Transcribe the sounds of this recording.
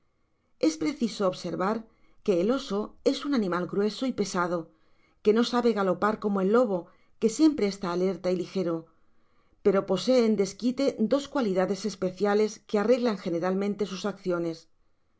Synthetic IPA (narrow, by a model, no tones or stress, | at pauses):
e̞spɾe̞θisoːβse̞ɾβaɾ | ke̞ːlo̞so̞e̞sunanĩmalɡɾwe̞so̞ipe̞sað̞o̞ | ke̞no̞saβe̞ɣalo̞paɾko̞moe̞lːo̞β̞o̞ | ke̞sje̞mpɾe̞ːst̪aːle̞ɾt̪ailixe̞ɾo̞ | pe̞ɾo̞po̞se̞ːnd̪e̞skit̪e̞d̪o̞skwaliðaðe̞se̞spe̞θjale̞ske̞are̞ɣlaŋxe̞ne̞ɾalmẽnt̪e̞susakθjo̞ne̞s